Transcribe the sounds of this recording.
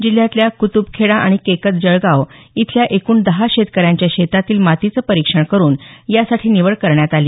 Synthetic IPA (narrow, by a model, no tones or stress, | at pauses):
d͡ʑil̤jat̪ljakut̪ubkʰeɽaʔaɽ̃ikekət̪̚d͡ʑəɭɡaʋ | it̪ʰljaʔekuːnd̪əɦaɕet̪kəɾjãɲt͡ɕjaɕet̪at̪iːlmat̪it͡səːpəɾikʂəɳkəɾuːnjasaʈʰiːniʋəɭkəɾɳjat̪ali